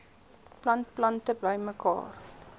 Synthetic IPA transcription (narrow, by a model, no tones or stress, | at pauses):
plɐnt̚plɐntəbəjməkɑ̰ːr